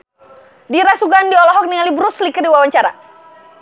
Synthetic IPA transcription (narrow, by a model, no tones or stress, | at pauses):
diɾasuɡandiɔlɔɦɔk̚niŋalibɾuslikərdiwawaɲt͡ʃaɾa̰